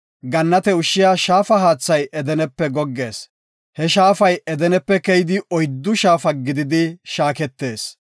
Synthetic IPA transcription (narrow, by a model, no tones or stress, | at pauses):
ɡɐnːɐt̪ɛʊʃːɪjaːʃaːfɐɦaːt͡sːɐjʔɛd̪ɛnɛpːɛɡɔɡːe̞ːs | hɛʃaːfɐjɛd̪ɛnɛpːɛkɛjɪd̪ɪʔɔjd̪ːʊʃaːfɐɡɪd̪ɪd̪ɪʃaːkɛt̪ːe̞ːs